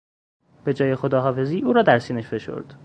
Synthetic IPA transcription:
b̥e̞d͡ʒɒːje̞xod̪ɒːɦɒːfe̞ziːʔuːɾɒːd̪æɾsiːneʃfe̞ʃo̰ɾd̪̥

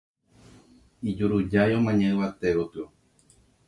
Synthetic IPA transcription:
id͡ʒuɾud͡ʒajõmãɲãɨ̃βat̪eɾot̪ɨo

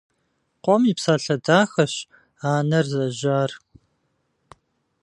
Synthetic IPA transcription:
qʷʼɔmiːpsaːɬɐdaːxɐɕ | aːnɐrzɐʑaːr

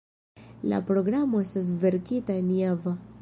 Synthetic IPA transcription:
la̰pɾo̞ɡɾamo̞e̞stas̬ve̞ɾkitaeniava

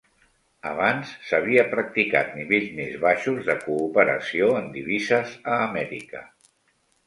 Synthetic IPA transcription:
ə̰βansːəβ̞iəpɾək̚t̪ika̰t̪̚niβeʎzmezβaʃuzðəkuːpəɾə̰sioənd̪iβ̞izəzəːmɛɾḭkə̰

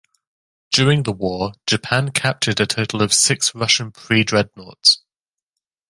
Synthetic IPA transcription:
d̥jɔːɹɪ̃ŋðəwɔːd͡ʒəpʰãnkʰap̚t͡ʃədətʰətʰˡəl̩ˠəv̥sɪksɹʌʃə̃npʰɹ̥iːdɹɛdⁿnɔ̰ˑts

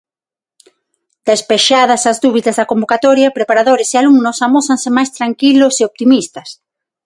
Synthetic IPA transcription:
d̪̥espeʃað̞ɐsɐzðuβiðɐzðɐkombokat̪ɔɾjɐpɾepaɾaðoɾesealuŋnosamoθansemajst̪ɾaŋkiloseop̚t̪imist̪ɐs

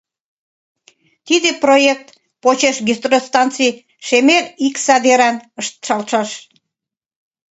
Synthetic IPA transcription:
t̪id̪eprojek̚t̪ | pot͡ɕeʃɡest̪rost̪ɑnt̪t͡sij | ʃemeriksɑd̪eɾɑnəʃt̪ʃɑlʃɑʃ

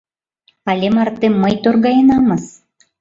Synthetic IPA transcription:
ɑlʲemɑrt̪emːəjt̪orɣɑjɤnɑmɤs

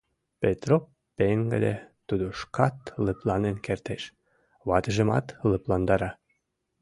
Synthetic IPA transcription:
pet̪ro | peŋɡə̰d̪et̪ud̪oʃkɑt̪ləplɑnenkert̪eʃ | βɑt̪əʒə̆mɑ̰t̪lə̆plɑnd̪ɑɾɑ

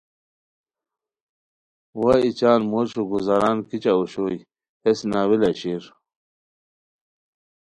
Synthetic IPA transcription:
wait͡ɕaːnmoɾɕuɡuzaɾaːnkit͡ɕauɕoj | hesnaːwilaɕiɾ

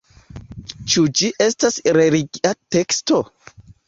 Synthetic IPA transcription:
t͡ʃud͡ʒiʔestasɾeliɡiʔateksto

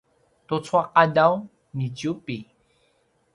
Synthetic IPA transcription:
t̪ot͡swaqadaw | nitupi

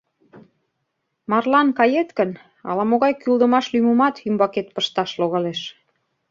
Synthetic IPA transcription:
mɑrlɑnkɑjet̪kən | ɑ̰lɑmoɣɑjkyld̪ə̆mɑʃlymumɑt̪ymbɑket̪̚pəʃt̪ɑʃloɣɑleʃ

